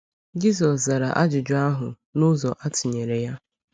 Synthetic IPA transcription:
d͡ʒi˦s̬ɔ˨sza˨ɾa̰˨ʔa˦d͡ʒʊ˨d͡ʒʊ˦a˦ɦʊ˨ | nʊ˦zɔ˨ʔa˦tɪ˨ɲe˨ɾe˨ja˦

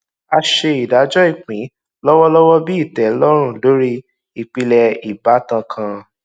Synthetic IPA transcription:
a˧ʃe˧i˨da˨˦d͡ʒɔ˦i˦˨k͡pĩ˨˦ | lɔ˦wɔ˦lɔ˦wɔ˦bi˦i˦˨tɛ˨˦lɔ˦ɾ̃ũ˦˨lo˨˦ɾi˦ | i˦˨k͡pi˧lɛ˧i˨ba˨˦tã˧kʰã˧

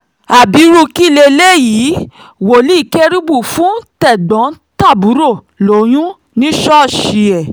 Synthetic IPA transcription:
a˨bi˨˦ɾu˧ki˦˨le˧le˦jiː˨˦ | wo˨li˦i˦˨ke˦ɾi˦bu˦˨fũ˨˦tɛ˦˨ɡ͡bɔ̃˨˦ta˦˨bu˨˦ɾo˦˨ | lo˨˦j̃ũ˦ | nĩ˦ʃɔ˦˨ʃi˧˨ɛ˨

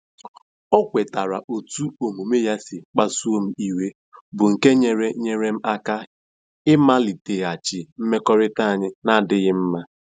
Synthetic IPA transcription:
ɔ˦kʷe˨ta˨ɾa˨ʔo˨tu˦o˨mu˨me˦ja˦sɪ˨k͡pa˦su˦o˦m̩˦i˦we˦ | bʊ˨ŋ̩˨ke˦ɲe˨ɾe˦ɲe˨ɾe˦m̩˦a˦ka˦ | ɪ˦ma˦li˨te˨a˨t͡ʃɪ˨m̩˦me˦kɔ˦ɾɪ˦ta˦a˨ɲɪ˦na˦dɪ˦ɣɪ˦m̩˦ma˦

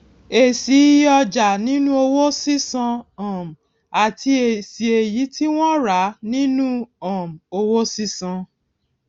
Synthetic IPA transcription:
e˨si˨˦jɔ˧d͡ʒa˨nĩ˨˦nũ˦o˧wo˦si˦sã˧ã˨m̩˨ | a˨ti˧e˨si˨e˨ji˨˦tʰi˦w̃ɔ̃˦ɾa˨˦nĩ˦nũ˦ɔ̃˨m̩˨o˧wo˦si˦sã˧

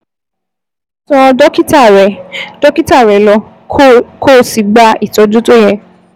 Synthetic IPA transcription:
tɔ̃˧dɔ˦ki˦ta˦˨ɾɛ˨dɔ˦ki˦ta˦˨ɾɛ˨˦lɔ˧ | ko˦˨si˨ɡ͡ba˦i˦˨tɔ˨˦d͡ʒũ˦to˦jɛ˦˨

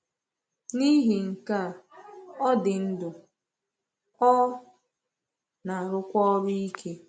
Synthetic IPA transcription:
ni˦ɦi˨ŋ̩˨ka˦˨ɔ˦dɪ˨n̩˦dʊ˨ | ɔ˦ | na˨ɾʊ˦kʷɔ˦ɔ˦ɾʊ˦i˦kʰe˦

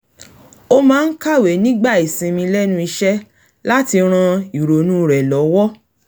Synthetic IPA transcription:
o˧mãː˦n̩˦ka˦˨we˨nĩ˦ɡ͡ba˦˨i˨sĩ˧mĩ˧lɛ˦nũ˦i˧ʃɛ˦ | la˦ti˧ɾ̃ã˧i˨ɾo˨nũ˦˨ɾɛ˨lɔ˨˦wɔ˦

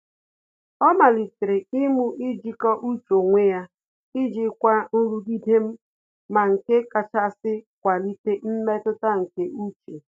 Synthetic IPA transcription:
ɔ˦ma˨li˨tɪ˨ɾɪ˨i˦mu˦ʔi˦d͡ʒi˦kɔ˦ʔu˦t͡ʃo˨ŋʷe˦ja˦ | i˦d͡ʒi˦kʷa˦n̩˦ɾu˦di˦de˦m̩˦ | ma˨ŋ̩˨ke˦ka˨t͡ʃa˦sɪ˦kʷa˨li˦te˦m̩˦me˦tʊ˦ta˦ŋ̩˨ke˦ʔu˦t͡ʃe˨

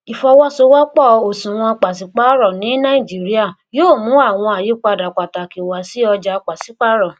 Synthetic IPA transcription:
i˨fɔ˧wɔ˦so˧˦wa˦k͡pɔ˦˨o˨sũ˨w̃ɔ̃˧k͡pa˨si˨k͡pa˦ɾɔ˦˨nĩ˨˦nã˦i˦˨d͡ʒi˨˦ɾi˦a˦˨ | joː˦˨mũ˨˦a˦˨w̃ɔ̃˧a˨ji˨˦k͡pa˧da˨k͡pa˨ta˨ki˨wa˨si˦ɔ˧d͡ʒa˧k͡pa˨si˨˦k͡pa˦ɾɔ˦˨

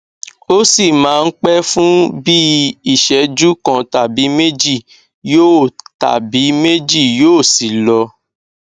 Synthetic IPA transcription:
o˦si˦˨mãː˨˦˧n̩˦k͡pɛ˦fũ˦bi˦i˦˨ʃɛ˨˦d͡ʒu˦kã˧ta˨bi˨˦me˦d͡ʒi˦˨ | jo˦˨ta̰˨bi˨˦me˦d͡ʒi˦˨joː˦˨si˨lɔ˧

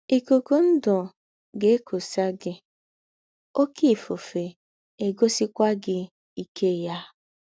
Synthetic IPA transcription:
i˨ko˨ko˦n̩˦dɔ˨ | ɡe˦e˦kʰo˨sa˦ɡɪ˦ | o˦ki˦˨fo˨fe˨ | e˨ɡo˦si˦kʷa˦ɡɪ˦ | i˨kʰe˦˨ja˦

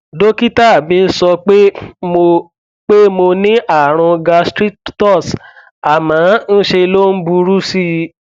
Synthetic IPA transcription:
do˦ki˦ta˦˨bĩ˨˦sɔ˧k͡pe˦mo˧ | k͡pe˦mo˧nĩ˦ʔa˦˨ɾ̃ɔ̃˧ɡa˧stɾi˦ttɔ˦˨s | a˨mãː˨˦n̩˦ʃe˧lo˦n̩˦bu˧ɾu˦si˦

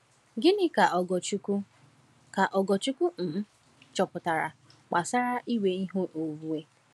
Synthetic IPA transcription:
ɡɪ˦nɪ˦ka˨ɡt͡ʃu˦ku˦ | ka˨ʔɔ˨ɡɔ˨t͡ʃu˦ku˦n̩˨˦ | t͡ʃɔ˨pʊ˨ta˨ɾa̰˨ | k͡pa˨sa˦ɾa˦ʔi˦we˦i˦ɦo˦ʔo˨vu˦e˦

